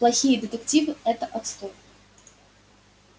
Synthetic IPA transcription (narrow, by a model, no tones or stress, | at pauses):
plˠɐxʲijəd̪ʲɨt̪ɨktʲivɨɛt̪əʔɐt̪st̪ɔp